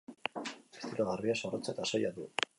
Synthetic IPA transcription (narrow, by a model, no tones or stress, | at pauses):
est̪iɾoɣariasorot͡saet̪asajaðu